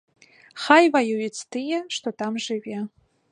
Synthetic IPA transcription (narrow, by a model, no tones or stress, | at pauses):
χajvajujɪt͡sʰtʰɨjɛʂtʰotʰamʐɨve